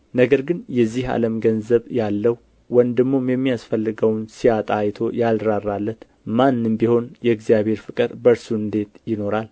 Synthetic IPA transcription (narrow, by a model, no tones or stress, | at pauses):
nəɡəɾɡɨnjɛzːiha̰ləmɡənzəβjalːəwu | wənd̪ɨɡmomjɛmːijasfəlːɨɡəwnsiat̪ʼajt̪ʰo̞jalɾarːalːət̪ | manːɨmbiho̞njɛɨɡzijaβhe̞ɾfɨkʼɨɾbəɾsuɨnd̪e̞t̪jɪno̞ɾal